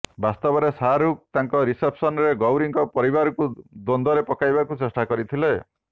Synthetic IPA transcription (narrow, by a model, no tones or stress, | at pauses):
bast̪ɔbɔɾesaɾuk̚t̪aŋkɔɾisepʰsɔnɾeɡɔwɾiŋkɔpɔɾibaɾɔkud̪ond̪ɔɾepɔkajbakut͡ʃesʈakɔɾit̪ʰile